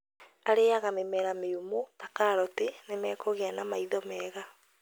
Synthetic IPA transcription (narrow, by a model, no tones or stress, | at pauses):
aɾeaɣamemɛɾameumotakaɾɔtenemɛːkoɣeanamaiðɔmɛːɣa